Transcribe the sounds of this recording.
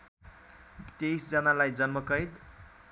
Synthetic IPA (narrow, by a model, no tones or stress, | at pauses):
t̪ejsd͡zʌnalajd͡zʌnmʌkʌjd̪